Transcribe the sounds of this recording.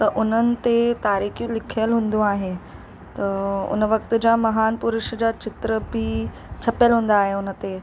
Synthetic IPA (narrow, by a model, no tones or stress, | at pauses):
t̪ɐʔʊn̤ənɪ̆t̪et̪aːɾiːxijũlɪkʰijəlɦũːn̆d̪ũaːɦe | t̪ɐʊ̰nəʋɐk̚t̪ʊ̆d͡ʑamɐɦaːnpʊɾʊʃd͡ʑaːt͡ɕɪt̪ɾəbɪ | t͡ɕʰɐpjəlɦũːn̆d̪aːɦeʊnə̆t̪e